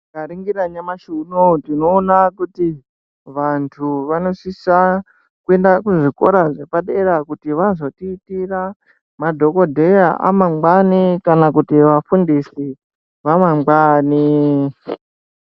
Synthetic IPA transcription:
kaɾiŋɡiɾaɲamaʃunotino̞ːnakuti | ʋantʰuʋano̞sisa | kue̞ndakuʐiko̞̰ɾaʐe̞paɗe̞ɾakutiʋazo̞tiːtira | madʱo̞ko̞dʱe̞jaʔa̰mamɡ͡banikanakutiʋafundisi | ʋamamɡ͡baːni

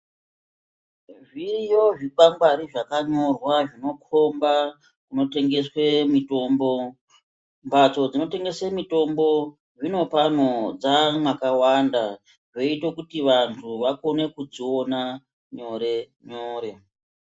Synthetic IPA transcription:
ʐijo̞ʐiɓambaɾiʐakaɲo̞rwaʐino̞kʰo̞mba | kuno̞te̞ŋɡe̞swemito̞ːmbo̞ | mbʱat͡so̞d͡zino̞te̞ŋɡe̞semito̞mbo̞ | ʐino̞panod͡zamwakawanda | ʐo̞itokutiʋantʰuʋako̞ne̞kud͡ziona | ɲo̞ɾe̞ | ɲoːɾe̞

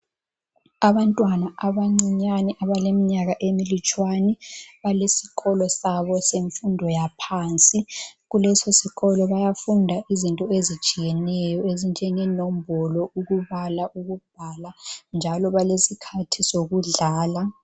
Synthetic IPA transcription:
aβantʼwanaʔaβaŋ͡ǀiɲanɛʔaβalemiɲaɣaʔemilit͡ʃʼwaniβalesi̥ɣɔlɔsaβɔseɱfundʱɔjapʰant͡sʼiɣulɛsosiɣɔlɔβajafundʱaʔizintʼɔezi̥t͡ʃʼijɛnɛjɔezind͡ʒʱɛŋɛnom̩bɔlɔuɣuβalaʔuɣub̥ʱaland͡ʒʱalɔβalesikʰatʰisoɣuɮaːla

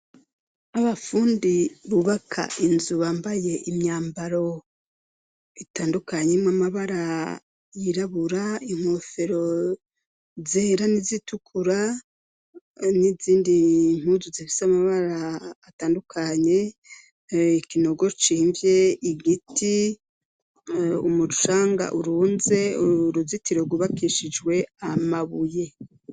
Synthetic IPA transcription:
aβafuːndiβuβakʰa̰ʔinzuβaːmbaje̞ʔimɲaːmbaɾo̞ | itaːndukaɲemamaβaɾa | jiɾaβuɾaim̥hofe̞ɾo̞ | zeːɾanizitukʰuɾa | niziːndiŋ̥huzuzifi̥samaβaɾaː | taːndukʰaɲe̞ | ikino̞ɡo̞ɾt͡ʃiːɱvje̞iɡiti | umuu̥ʃaːŋɡa̰ʔuɾuːnze̞uɾuzitiɾeɡuβakiʃid͡ʒwe̞amaβuje̞

